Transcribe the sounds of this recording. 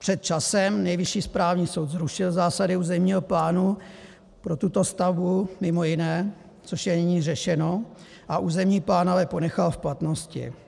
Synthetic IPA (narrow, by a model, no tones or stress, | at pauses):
pr̝̥ɛt̪̚t͡ʃasɛmnɛjvɪʃiːspɾaːvɲiːso̞wt̪zɾuʃɪlzaːsadɪuːzɛmɲiːɦoplaːnu | pɾo̞t̪ut̪o̞st̪avbumɪmo̞jɪnɛː | t͡so̞ʃjɛnɪɲiːrɛʃɛno̞ | ʔaʔuːzɛmɲiːplaːnavɛpo̞nɛxalfplat̪no̞scɪ̰